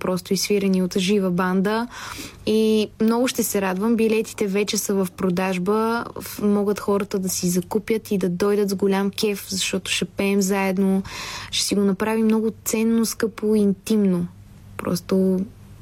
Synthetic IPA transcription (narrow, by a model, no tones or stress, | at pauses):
pɾɔst̪ʊisfiɾɛniot̪ʒivəband̪ə | imnɔɡʊʃt̪ɛsɛɾad̪vəmbilɛt̪i̥t̪ɛvɛt͡ʃɛsəvɐfpɾod̪aʒbəmɔɡət̪xɔɾət̪əd̪ɐsizɐkupjət̪id̪ɐd̪ɔjd̪ət̪zɡolʲamkʲɛfzɐʃt̪ɔt̪ʊ̥ʃɛpɛːmzaɛd̪noʃɛ̥siɡonɐpɾavimnɔɡʊt̪sɛnːoskɤpoiint̪imno | pɾɔ̰st̪o